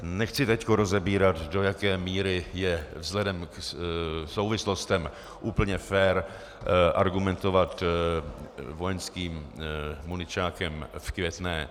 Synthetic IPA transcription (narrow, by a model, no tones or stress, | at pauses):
nɛxt͡sɪt̪ɛckoɾo̞zɛbiːɾat̪do̞jakɛːmiːɾɪjɛvzlɛdɛmk | so̞wvɪslo̞st̪ɛm | ʔuːpl̩ɲɛfɛːɾ | ʔa̰ɾɡumɛnt̪o̞vat̪ | vo̞jɛnskiːmː | unɪt͡ʃaːkɛmfkvjɛt̪nɛː